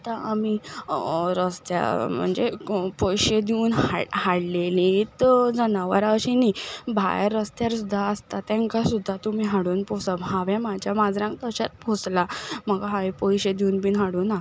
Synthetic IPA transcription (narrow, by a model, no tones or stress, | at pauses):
t̪aami | ɾəst̪ja̰m̤ə̰ɳd͡zepɔjɕed̪iunɦa̰haɽlelĩt̪d͡zənaʋə̰ɾaəɕinibʱa̰jɾəst̪jaɾsud̪ʱːaəst̪at̪ãŋkasud̪ʱːat̪umiɦaɽuːnposabɦaʋɛ̃mad͡ʑjamad͡zɾãŋkt̪əɕat̪̚pʰoslaməɡaɦaʋjpɔjɕed̪iunbinɦaɽuːna